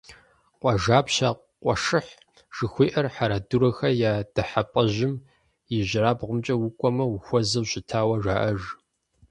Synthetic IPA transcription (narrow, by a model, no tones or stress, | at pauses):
qʷʼɔʒaːpɕaː | qʷɔʂɨħ | ʒ̥ɨxʷeːʔɐrħaɾɐduɾɐxɐjaːd̥ɐħapʼɐʑɪm | jɪʑɪɾaːbʁʷʊmt͡ʃʼɐwʊkʷʼɔmɐwʊxʷɔzɐɕɪtʰaːwɐʒaːʔɐʒ